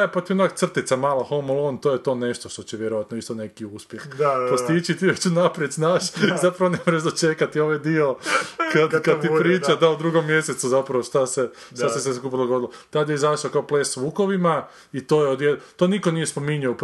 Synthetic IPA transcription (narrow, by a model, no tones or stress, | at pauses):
epat̪ijonak̚t̪sr̩t̪it̪samaːlaxomolˠont̪oːjet̪o̞ːne̞ʃt̪oʃt̪o̞t͡ɕeʋjeɾoʋat̪noist̪one̞kiuspjexpost̪it͡ʃit̪ijot͡ɕunapɾjet̪snaːʃizapɾaʋonemoʒeʒd̪ot͡ʃekat̪ioʋajd̪iokad̪kad̪ipɾiːt͡ʃad̪aud̪ɾuːɡo̞mːje̞set̪suzapɾaʋoʃt̪ase | ʃt̪aseseskupid̪oɡo̞d̪ilot̪ad̪jeizaʃaokaopleːsʋuːko̞ʋima | it̪oːjeod̪jedt̪oːnikonijespo̞miɲuop